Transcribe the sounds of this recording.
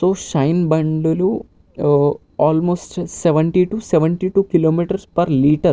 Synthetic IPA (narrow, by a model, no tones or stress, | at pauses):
soːʃɐjnbɐɳɖulu | aːlmoːsʈsɛʋɐɳʈiːʈuːsɛʋɐɳʈiːʈuːkiloːmiːʈɐɾspɐɾliːʈɐɾ